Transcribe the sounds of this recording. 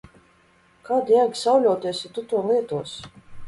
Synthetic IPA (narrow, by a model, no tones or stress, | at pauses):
kaːd̪jaɡʲsawlʲɔwt̪iɛsit̪ut̪uɔmlˠiɛt̪uɔs